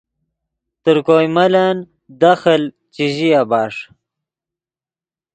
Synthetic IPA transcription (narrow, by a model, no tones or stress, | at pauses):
t̪əɾkojmalan | d̪axəl | t͡ɕiʑijabaːʂ